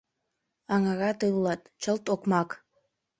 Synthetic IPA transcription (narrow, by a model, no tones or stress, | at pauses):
ɑŋɑɣɑt̪ɯlːɑt̪t͡ʃəlt̪okmɑk